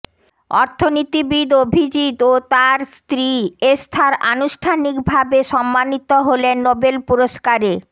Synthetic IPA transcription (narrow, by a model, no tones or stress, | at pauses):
ɔ̰ɾt̪ʰonit̪ibid̪obʱid͡ʑit̪ot̪aɾst̪ɾiest̪ʰaɾa̰nuʃʈʰanikbʱabeʃɔmːanit̪oɦolenːobelpuɾoʃkaɾe